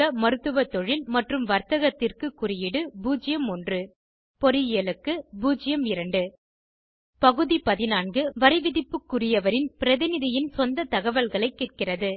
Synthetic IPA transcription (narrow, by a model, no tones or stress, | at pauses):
ɐmɐɾɯt̪ːɯʋɐt̪ːɔɻɪlmɐʈrɯmʋɐɾt̪ɐɣɐt̪ːɪrkɯkːʊrɪjɪɽɯbuːd͡ʒɪjɐmɔndrɯ | pɔɾɪjeɐlɯkːɯbuːd͡ʒɪjɐmɪɾɐɳɖɯ | pɐɣɯðipɐðɪnaːnɡɯʋɐɾɪʋɪðɪpːɯkːʊrɪjɐʋɐɾɪnpɪɾɐðɪnɪðɪjɪnsɔnd̪ɐt̪ɐɣɐʋɐlɣɐɭɐɪkːeːʈ̚kɪrɐðɯ